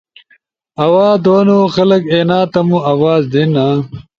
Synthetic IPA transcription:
ɐwaːd̪oːnoːxɐlɐkeːnaːt̪ɐmuɐwaːzd̪inaː

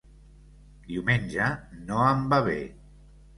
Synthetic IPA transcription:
d̪iwmenʲʒənoəmbaβḛ

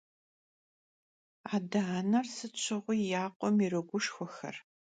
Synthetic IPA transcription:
aːdɐanɐrsɨt͡ʃʷʰɪʁʷʊjaːqʷʼɔmirɨɡʷʊʂxʷɔxɐ̰r

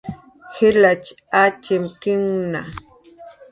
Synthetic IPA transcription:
xɪlat͡ʃ | at͡ʃɪmkɪŋna

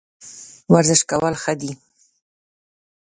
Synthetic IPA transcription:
waɾzɪʃkawəlxəd̪i

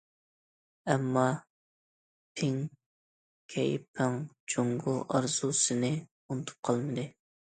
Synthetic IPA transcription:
ɛmːɑ | pʰɪŋ | kʲʰɛjpʰɪŋd͡ʒoŋɡʊʔɑɾzusɪnɪ | unɨt̪ʰu̥p̚qʰɑlˠmɨd̪ɨ

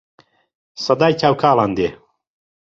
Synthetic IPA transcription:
sɐd̪aːjt͡ʃʰaːwkʰaːlˠaːnd̪eː

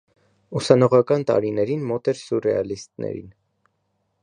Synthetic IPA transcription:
usɑnɔʁɑkɑnt̪ɑ̰ɾinɛɾinmɔt̪ɛɾsurɛɑlist̪nɛ̰ɾḭn

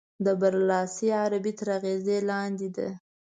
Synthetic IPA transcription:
d̪əbaɾlɑsiaɾabit̪aɾaɣezelɑnd̪id̪a̰

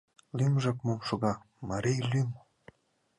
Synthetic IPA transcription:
lymʒɑkmomʃoɣɑ | mɑɾejlʲym

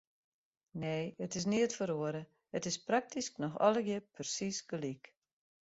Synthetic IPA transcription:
neːətɪs̬niətfəɾoəɾə | ətɪsprak̚tʰisknɔxɔ̰ləɡjəpʰərsisɡ̥əlik

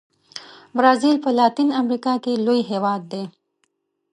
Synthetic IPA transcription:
bɾɑːzilpəlaːt̪inɐmɾikakelojɦeːwɑːd̪̚ːe

